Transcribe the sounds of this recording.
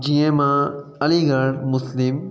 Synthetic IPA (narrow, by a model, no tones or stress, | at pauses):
d͡ʑiːẽmãɐliɡəɽmʊslɪm